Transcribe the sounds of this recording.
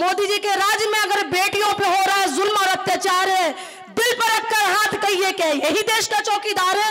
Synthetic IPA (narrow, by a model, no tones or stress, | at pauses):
moːd̪id͡ʒikeɾaːd͡ʒjmẽəɡəɾbeʈijõpʰeɦoɾaɦɛzʊlmɔːɾət̪jat͡ʃaɾɦɛ | d̪ɪlpəɾəp̚kəɾɦãːt̪ʰkəijekejeɦid̪eːʃkat͡ʃɔːkid̪aːɾɦɛ